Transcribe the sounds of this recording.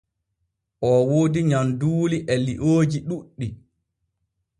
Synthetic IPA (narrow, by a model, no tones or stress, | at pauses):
ʔɔwoːdiɲamduːliʔɛliʔoːd͡ʒiɗuɗːi